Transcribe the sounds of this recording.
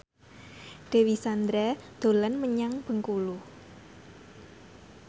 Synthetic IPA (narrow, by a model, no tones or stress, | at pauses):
d̪̥e̤wisand̪ɾɛd̪̥o̤lənməɲaŋb̥ə̤ŋkulu